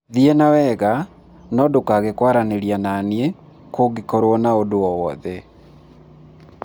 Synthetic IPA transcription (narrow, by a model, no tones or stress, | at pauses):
ðiɛnawɛɣa | nɔdokaɣekwaɾaneɾianane | koɡikɔɾwɔnaodoɔwɔðɛ